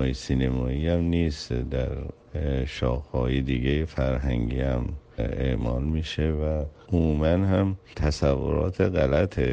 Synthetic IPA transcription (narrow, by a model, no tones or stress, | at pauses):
jesiːnemɒːiːæmniːsd̪æ̰ɾ | ʃɒːxhɒːjed̪iɡejefæɾɦæŋɟḭːæmḛʔmɒːlmiːʃevæ | omuːmænhæmt̪ʰæsævːo̰ɾɒ̰ːt̪ʰeɣælæt̪ʰe